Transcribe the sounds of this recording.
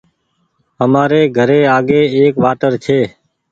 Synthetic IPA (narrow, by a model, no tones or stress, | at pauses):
əmaːɾeːɡʱəɾeːaːɡeːeːkʋaːt̪əɾt͡ʃʰeː